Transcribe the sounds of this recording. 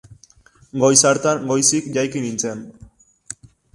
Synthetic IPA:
ɡo̞jsaɾt̪aŋɡo̞jsikʝajkinint͡se̞n

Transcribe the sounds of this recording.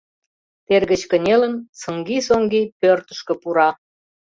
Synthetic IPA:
t̪erɣə̆t͡ɕkə̆nʲelənsə̆ŋɡisoŋɡipørt̪ə̥̆ʃkə̆puɾɑ

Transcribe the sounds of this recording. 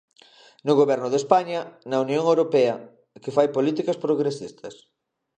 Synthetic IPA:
nʊɣoβɛɾnʊðespaɲɐnɐunjõŋewɾopɛɐ | kefajpolit̪ikɐspɾoɣɾesist̪ʰɐs

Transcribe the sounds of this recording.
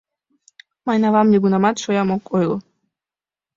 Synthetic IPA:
mɑjnɑvɑmnʲeɡunɑmɑt̪ʃojɑmokojl

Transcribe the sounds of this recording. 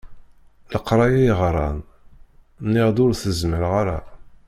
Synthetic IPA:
ləqːɾˤɑjæjʁɾˤɑ̰n | nːɪʁd̪ʊɾθəzməɾʁaɾa̰

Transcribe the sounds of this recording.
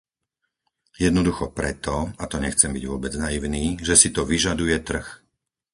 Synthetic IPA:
jɛd̪nɔd̪uxɔpɾɛt̪ɔat̪ɔɲɛxt͡sɛmbḭɟʋʊɔbɛd͡znaiʊniːʒɛsit̪ɔʋiʒad̪ujɛt̪r̩x

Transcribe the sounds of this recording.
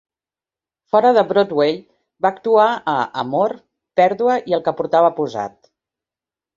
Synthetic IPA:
fɔɾəðəβɾot̪weʎ | baːkt̪uaəʔəmoɾ | pɛɾðuəʔiəlˠkəpuɾt̪aβəpuza̰t̪

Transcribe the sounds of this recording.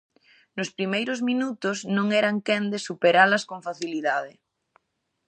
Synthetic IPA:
nʊspɾimejɾʊzmĩnut̪ʊznõŋɛɾaŋkend̪esupeɾalɐskoɱfaθiliðað̞ɪ

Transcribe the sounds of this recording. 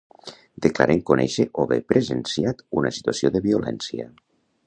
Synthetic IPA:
d̪̥əklaɾʔeŋkunɛʃəʔoβepɾəzənsiat̪unəsi̥t̪uəsioðəβiulɛ̰nsiə̰

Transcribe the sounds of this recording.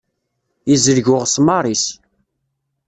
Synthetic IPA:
jizəɾʝʊʁsmɑɾˤis

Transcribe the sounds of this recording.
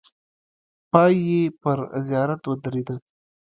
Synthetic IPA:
pɑjːepəɾzijɑːɾat̪wəd̪ɾed̪ə

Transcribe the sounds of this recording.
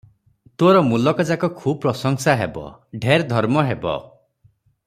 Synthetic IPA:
t̪oɾɔmulɔkɔd͡ʒakɔkʰub̚pɾɔsɔŋsaɦebɔ̰ɖʱeɾd̪ʱɔɾmɔɦebɔ̰

